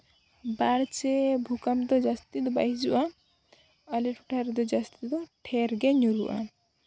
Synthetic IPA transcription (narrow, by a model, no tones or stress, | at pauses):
baɾt͡ʃɛbʱukamd̪ɔd͡ʒast̪id̪ɔba̰jid͡ʒuʔa | aliʈʰuʈʰaɾɛd̪ɔd͡ʒast̪id̪ɔʈʰɛɾɡɛɲuɾṵʔa̰